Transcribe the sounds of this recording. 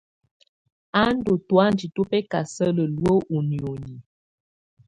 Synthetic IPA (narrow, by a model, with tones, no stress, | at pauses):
a˦n̩˦do˨twa˦n˦di˨tu˦pɛ˦ka˨sə˦lə˨lwə˦ʔu˨njo˨ni˨